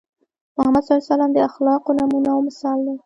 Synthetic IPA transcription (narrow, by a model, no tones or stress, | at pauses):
mʊhamad̪sɑisalɑmd̪əaxlɑqonamunawmɪsɑld̪a